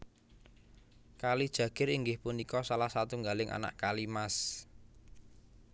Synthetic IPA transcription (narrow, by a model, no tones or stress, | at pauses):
kalid̥ʒ̥ä̤ɡ̥ɪ̤ɾiŋɡɪhpunikɔsalahsat̪uŋɡalɪŋʔa̰na̰ʔkalimas